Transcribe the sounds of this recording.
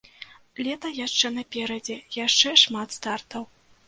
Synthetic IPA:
lʲɛt̪ɐjaʂt͡ʂɛnɐpʲɛɾɐd͡zʲɛjaʂt͡ʂɛʂmat̪st̪art̪ɐw

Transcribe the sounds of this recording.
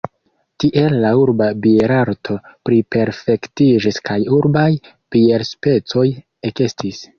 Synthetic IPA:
tiʔe̞lːauɾbabieɾaɾtʰo̞pɾipe̞ɾfe̞ktid͡ʒiskajuɾbaj | pie̞ɾspe̞t͡so̞j | ekestʰis

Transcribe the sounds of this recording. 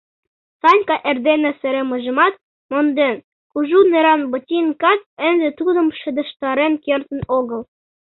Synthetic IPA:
sɑnʲkɑʔĕrd̪enĕsɘ̆ɾemɤʒɤ̆mɑt̪̚ | mond̪en | kuʒunĕɾɑnbɤ̆t̪ʲinkɑt̪̚ɘ̆nd̪ĕt̪ud̪ɤ̆mʃɘ̆d̪ɤ̆ʃt̪ɑɾenkert̪ə̆noɣɤ̆l

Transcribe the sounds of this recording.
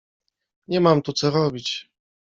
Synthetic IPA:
ɲɛmamt̪ut̪sɔɾɔbʲit͡ɕ

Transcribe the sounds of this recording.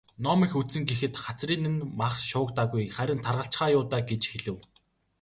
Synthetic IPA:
nɔmiːxusɘ̆ŋɡexɘ̆t̪χat͡sriːnɘ̆nmaχʃʊːkt̪aːɣujχæɾʲɪ̆nt̪ʰarʁə̆ɬt͡ɕχaːjʊːt̪aːɡet͡ɕxeɮɘ̆w

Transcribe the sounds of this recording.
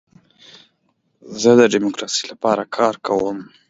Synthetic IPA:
zəd̪əɖimokɾɑsi̥lapɑɾakʰɑɾkawəm

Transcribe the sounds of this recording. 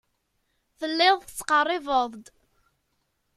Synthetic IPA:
θəlːɪðˤθət͡sːqɑrˤːɪvəðˤd̪

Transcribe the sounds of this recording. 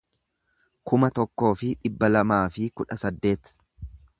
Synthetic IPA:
kʊmɐt̪ɔkːo̞ːfɪᶑɪbːɐlɐmaːfɪkʊᶑɐsɐd̪ːe̞ːt̪

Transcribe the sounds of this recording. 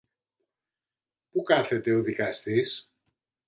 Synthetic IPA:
pukɐθe̞t̪e̞o̞ðikɐst̪is

